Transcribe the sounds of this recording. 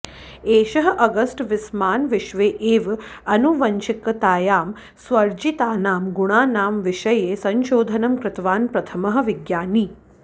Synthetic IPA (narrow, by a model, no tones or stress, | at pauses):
eːʃɐɦɐ̆ʔɐɡɐsʈʋɪsmaːnʋɪʃʋeːʔeːʋɐnuʋɐɲt͡ʃɪkːɐt̪aːjaːm | sʋɐɾd͡ʒit̪aːnaːmɡuɳ̃aːnaːmʋɪʃɐjeːsɐɲʃoːd̪ʱɐnɐmkɾɪt̪ʋaːnpɾɐt̪ʰɐmɐɦɐ̆ʋɪɡjaːniː